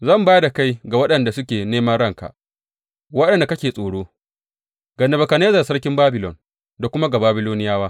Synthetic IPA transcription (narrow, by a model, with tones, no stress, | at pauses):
zɐ˦˨mbaː˦da˨ka˦jɡa˨wɐ˦ɗɐ˨nda˨sʊ˦kʲeː˨neː˦mɐ˦nɽɐ˦ŋka̰˨ʔ | wɐ˦ɗɐ˨nda˨kɐ˦kʲeː˨sʼoː˨ɽoː˦ | ɡ̥ɐ˨nːɐ˨bɐ˨ka˨neː˦zɐ˨sɐ˦ɽkʲɪ˦mbaː˦bɪ˨lɔ˨n | da˨kʷʊ˦ma˦ɡa˨baː˦bɪ˦loː˦nɪ˦jaː˦waː˦